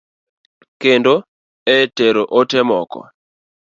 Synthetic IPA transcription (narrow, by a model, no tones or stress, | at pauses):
kendo | ɛteɾoʔotemɔkɔ̰